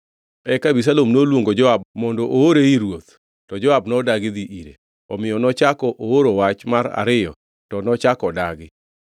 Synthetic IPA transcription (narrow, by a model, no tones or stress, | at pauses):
ɛkabis̬alomnolwoŋɡod͡ʒɔab̚mɔndɔʔooɾeiɾwot̪ | tɔd͡ʒɔabnɔdaɡɪd̪iʔiɾḛ | ɔmɪjɔnɔt͡ʃakɔʔooɾowat͡ʃmaɾa̰ɾɪjɔ̰ | tɔnɔt͡ʃakɔdaɡɪ